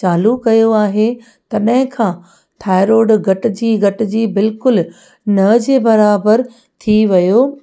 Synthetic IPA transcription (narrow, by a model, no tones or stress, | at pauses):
t͡ɕaːlukɐjoaːɦe | t̪ɐɗɐɦɪ̃kʰãː | t̪ʰaːɪɾoːɖɡʱɐʈ̆d͡ʑiːɡɐʈ̆d͡ʑiːbɪlkʊl | nɐd͡ʑeːbɐɾaːbəɾ | t̪ʰiʋɐjoː